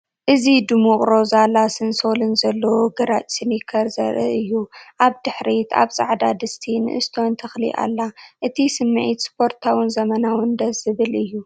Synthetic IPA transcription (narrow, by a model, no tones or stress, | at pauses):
ʔɨzid̪ɨmuχʼɾo̞zalasɨnso̞lɨnzɐlːɐwoɡɐɾat͡ʃʼsɨnjɪkʰɐɾzɐ̰ɾʔɨ̰ʔɨjːuʔaβd̪ɨħɾit̪ʰa̰βt͡sʼa̰ʕd̪ad̪ɨst̪ʰinɨ̰ʔɨst̪ʰo̞nt̪ʰɐxlḭʔa̰lːaʔɨt̪ʰisɨmːɨʕit̪spʰo̞ɾt̪ʰawinzɐmɐnawɨnd̪ɐɨβɨlɨjːu